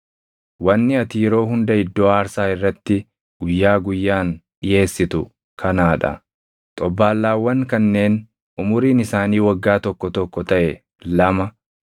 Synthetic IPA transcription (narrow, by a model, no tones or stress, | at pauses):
wɐnːɪɐt̪iːɾo̞ːɦʊnd̪ɐɪd̪ːoːaːɾsaːɪrːɐt̪ːɪ | ɡ̥ʊjːaːɡʊjːaːnᶑɪje̞ːsːɪt̪ʊ | kʰɐnaːᶑɐ̰ | t̪ʼɔbːaːlːaːwːɐŋkɐnːe̞ːn | ʔʊmʊɾiːnɪsaːniːwɐɡːaːt̪ɔkːɔt̪ɔkːɔt̪ɐʔɛ | lɐmɐ